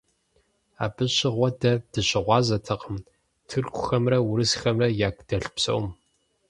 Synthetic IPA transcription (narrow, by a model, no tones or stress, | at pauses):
a̰ːbɨɕɪʁʷɔdɐd̥ɨɕɪʁʷɑːzɐtʰɐqəm | tʰɨrkʷʰʊxɐmrɐwʊɾɨsxɐmrɐjaːkd̥ɐɬpsɐ̰wm